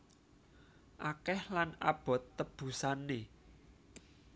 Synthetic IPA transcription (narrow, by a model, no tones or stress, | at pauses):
ʔakɛhlanab̥ɔ̤t̪ːəb̥ṳsane